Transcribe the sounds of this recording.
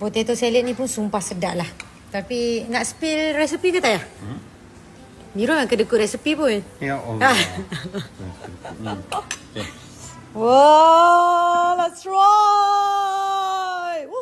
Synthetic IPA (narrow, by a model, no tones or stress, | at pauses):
pot̪et̪oseləʔ̚nĩpʊnsumpahsədaʔlah | t̪apinaʔsə̥pɪlrɛsipikət̪aja | biɾamaŋkədəkʊʔɾɛsipipʊna | wa | lɛtsɹo